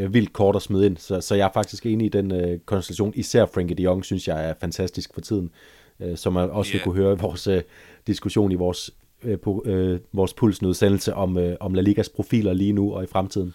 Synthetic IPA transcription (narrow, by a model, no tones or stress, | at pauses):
ʋil̰d̥̚kʰɒːɾ̥ɒsmyðˠe̝n̰sɒ̽sɒ̽jɑ̈æɐfɑ̈ɡ̥d̥isɡ̥e̝ːniːd̥enøkʰɒ̽nsd̥elæɕ̬jo̝̰ːnisæɐ̰fʁeŋɡ̥id̥iɒ̽ŋsynsjɑ̈ɪæɐfænt͡sʰæsd̥isɡ̥fɒ̽t͡sʰið̰ˠn̩ | sɒ̽mænɒ̽sʋe̝kʰuɦøːɐʋɒːsd̥isɡ̥uɕo̝̰ːniʋɒːs | pʰoʋɒːspʰul̰snøð̞ˠsenl̩səʔɒ̽mʔɒ̽mlæliɡ̥æspʰʁo̝fḭːlɐliːnuɒ̽ifʁamt͡sʰið̰ˠn̩